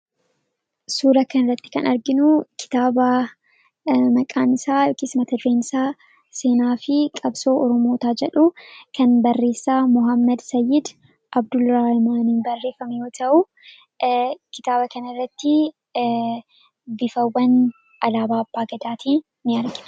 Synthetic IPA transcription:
suːɾɐkɐnɪrːɐt̪ːɪ̥kɐnʔɐɾɡɪnʊkʰɪ̥t̪aːbɐ | mɐkʼaːnɪsaːɔkɪsmɐt̪ɐd̪ɾeːnɪsaː | se̞ːnaːfɪkʼɐbso̞ːʔɔɾɔmo̞ːt̪aːd͡ʒɛᶑʊkʰɐnbɐrːe̞ːsːaːmʊɦɐmːɐd̪sɐjːɪd̪ | ʔɐbd̪ʊlɾaːhɪmaːniːnbɐrːe̞ːfɐmɛjo̞ːt̪ʰɐʔʊ | kɪt̪aːbɐkɐnɐrːɐt̪ːɪ | bɪfɐwːɐn | ʔɐlaːbaːɐbːaːɡɐd̪aːt̪ʰiː | nɪɐɾɡɪ

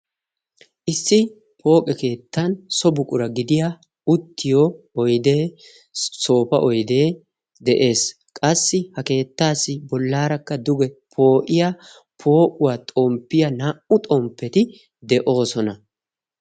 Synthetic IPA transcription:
ʔɪsːɪ | pʰo̞ːkʼɛke̞ːt̪ːɐnsɔbʊkʼʊɾɐɡɪd̪ɪja | ʊt̪ːɪjoː | jd̪eː | so̞ːpɐ̰ʔɔjd̪e̞ː | d̪ɛʔe̞ːs | kʼɐsːɪhɐke̞ːt̪ːaːsːɪbɔlːaːɾɐkːɐd̪ʊɡɛpʰo̞ːʔɪja | pʰo̞ːʔʊwaːt̪ʼompːɪjɐnaːʔʊt̪ʼɔmpːɛt̪ɪ | d̪ɛʔo̞ːsɔnɐ

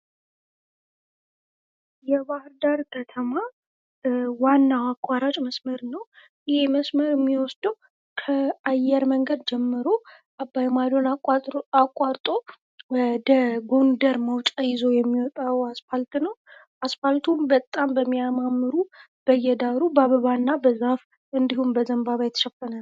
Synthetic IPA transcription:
jɛbahɾd̪aɾkʰət̪ʰəma | wanːawakʼːaɾat͡ʃʼməsməɾnəw | jɪheməsməɾɛmːiwɔsd̪̥əw | kʰəajːɛɾməŋɡəd̪d͡ʒɛmːɨɾo̞ | ʔabːajmad̪o̞nakʼːaɾt̪ʼo̞ | wd̪əɡo̞nd̪əɾməwt͡ʃʼajɪzo̞jɛmːiwɔt̪ʼawasfalt̪nəw | ʔasfalt̪ʰumbət̪ʼːambəmːijamamːɨɾu | b̥əjːɛd̪aɾubaβəβanːabəzaf | ɨnd̪ihumbəzəmbaβajɛt̪ʰʃɛfːənal

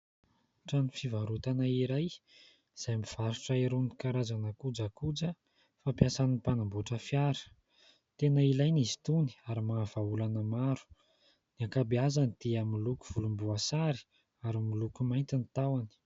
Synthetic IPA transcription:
ʈ͡ʂanifivaɾut̪anaiɾaj | z̥ajmiv̥aɾuʈ͡ʂaiɾunikaɾazanakud͡zakud͡zə | fapjasaniipanambuʈ͡ʂəfjaɾə̥ | t̪enəilajnizi̥t̪uni̥aɾimaav̥aulanəmaɾu̥ | niakabiazanid̪̥iamiluku̥v̥ulumbuasaɾi̥ | aɾimilukumajnt̪init̪awani̥

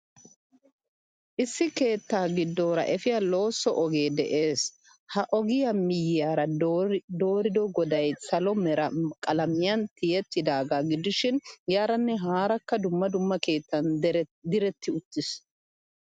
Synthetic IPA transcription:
ʔɪsːɪke̞ːt̪ːaːɡɪd̪ːo̞ːɾɐ̰ʔɛfɪjalo̞ːsːɔʔɔɡe̞ːd̪ɛʔe̞ːs | hɐʔɔɡɪjɐmɪjɪjaːɾɐd̪o̞ːɾɪd̪ɔɡɔd̪ɐjsɐlɔmɛɾɐkʼɐlɐmɪjɐnt̪ɪjɛt̪ːɪd̪aːɡaːɡɪd̪ɪʃɪnjaːɾɐnːɛɦaːɾɐkːɐd̪ʊmːɐd̪ʊmːɐke̞ːt̪ːɐnd̪ɪɾɛt̪ːɪʊt̪ːɪs

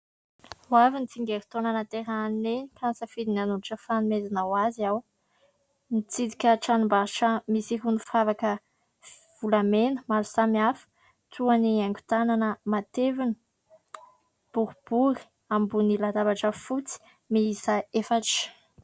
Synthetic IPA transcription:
wavinit͡siŋɡeɾi̥t̪onanat̪eɾaanenikʰansəfid̪inanuniʈ͡ʂəfanumezinawaziaw | nit͡sid̪ikʲəʈ͡ʂanumbaʈ͡ʂəmisiɦunifavakə | v̥ulamenəmaɾusamiafə̥ | t̪uaniaŋɡʲu̥t̪ananəmat̪evinə̥ | b̥uɾub̥uɾi̥ | ambunilad̪abaʈ͡ʂəfut͡si̥ | miisaefaʈ͡ʂ

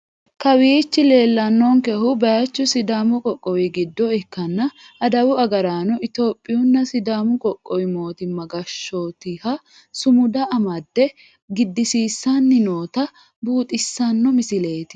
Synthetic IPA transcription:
kɐwiːt͡ʃːɪle̞ːlːɐnːɔŋkɛhʊbɐjɐt͡ʃːʊsɪd̪aːmʊkʼɔkʼːɔwɪɡɪd̪ːɔɛkːɐnːɐ | ɐd̪ɐwʊɐɡɐɾaːnɔʔɪt̪o̞ːpʼːɪjʊnːɐsɪd̪aːmʊkʼɔkʼːɔwɪmo̞ːt̪ɪmɐɡɐʃːoːt̪ɪhɐ | sʊmʊd̪ɐʔɐmɐd̪ːɛ | ɡɪd̪ːɪsiːsːɐnːɪno̞ːt̪ɐ | buːt̪ʼɪsːɐnːɔmɪsɪleːt̪ɪ̥

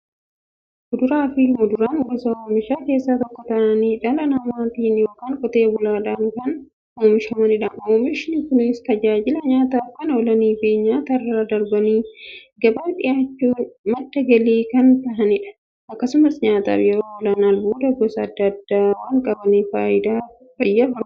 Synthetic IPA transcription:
mʊd̪ʊɾaːfɪmʊd̪ʊɾaːnɡɔsɐoːmɪʃaːke̞ːsːaːt̪ɔkːɔt̪ɐʔɐniːᶑɐlɐnɐmaːt̪iːnjo̞ːkaːŋkʼɔt̪e̞ːbʊlaːᶑaŋkɐn | oːmɪʃɐmɐnɪᶑɐoːmɪʃɪnɪkʊnɪst̪ɐd͡ʒaːd͡ʒɪlɐɲaːt̪aːfkɐnɐwɔlɐniːfeːɲaːt̪ɐrːɐɐd̪ɐɾbɐniːɡɐbɐnt̪ɪjaːt͡ʃːuːmɐt̪ːɐɡɐliːkɐnt̪ɐɦɐnɪᶑɐ̥ | ɐkːɐsʊmɐsɲaːt̪a̰ːfjɛɾoːwɔlɐnaːlbuːd̪ɐɡɔsɐːd̪ːɐd̪ːaːwaŋkʼɐbɐniːfaːʔɪd̪aː | fɐjːɐɦɔɾ

